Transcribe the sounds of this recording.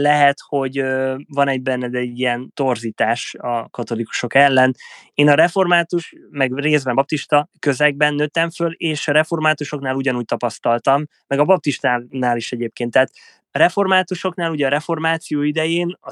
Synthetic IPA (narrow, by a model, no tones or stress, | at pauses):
lɛɦɛt̪ho̞ɟøvɒnɛɟ̚bɛnːɛd̪ɛɛɟːijɛnt̪o̞rziːt̪aːʃɒkɒt̪o̞liku̥ʃo̞kɛlːɛneːnɒɾɛfo̞rmaːt̪uʃmɛɡreːzbɛmbɒp̚t̪iʃt̪ɒkø̞zɛɡ̚bɛnːøt̪ːɛɱføleːʃɒɾɛfo̞rmaːt̪uʃo̞knaːluɟɒnuːc̚t̪ɒpɒst̪ɒlt̪ɒmːɛɡɒbɒp̚t̪iʃt̪aːnaːliʃɛɟeːp̚keːnt̪ːɛːt̪ | rɛfo̞rmaːt̪uʃo̞knaːluɟɛɒɾɛfo̞rmaːt̪sijoːid̪ɛjeːnɒ